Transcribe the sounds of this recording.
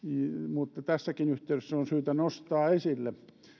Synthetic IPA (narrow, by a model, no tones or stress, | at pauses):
mut̪ːɑt̪æsːækinyht̪eyɾesːæonsyːt̪ænost̪ɑːesilːe